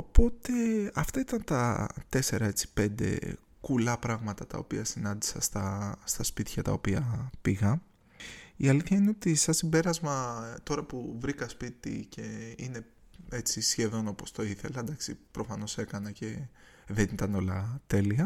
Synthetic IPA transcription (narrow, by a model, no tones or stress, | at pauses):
o̞po̞t̪e̞ɐft̪ɐit̪ɐnt̪ɐt̪e̞se̞ɾɐe̞t͡si̥pe̞nd̪e̞̰ | kulɐpɾɐɣmɐt̪ɐt̪ɐ̰o̞piɐsinɐnd̪i̥sɐst̪ɐst̪ɐspit̪çɐt̪ɐ̰opiɐpiɣɐ | iɐliθçɐine̞o̞t̪isɐsimbe̞ɾɐzmɐt̪o̞ɾɐpuvɾikɐspit̪ḭce̞ine̞ | e̞t͡sisçe̞ðo̞no̞po̞st̪o̞iθe̞lɐend̪ɐksipɾofɐno̞sekɐnɐce̞ | ðe̞nit̪ɐno̞lɐt̪e̞liɐ